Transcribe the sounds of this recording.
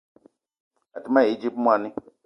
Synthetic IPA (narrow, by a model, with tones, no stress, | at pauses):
a˨ti˦ma˦˨i˦d͡ʒi˦p̚mʷ˦a˨nĩ˦